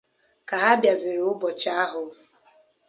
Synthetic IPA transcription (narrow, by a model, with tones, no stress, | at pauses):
ka˨ɦa˦bja˨zɪ˨ɾʊ˦bɔ˨t͡ʃa˦a˦ɦʊ˨